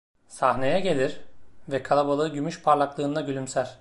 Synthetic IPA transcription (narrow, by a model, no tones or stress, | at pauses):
sahne̞jɛɟe̞lʲiɾvɛkʰalˠabalˠɯɯɟymyʃpʰaɾlˠaklˠɯːnd̪aɟylʲymsæɾ̥ʲ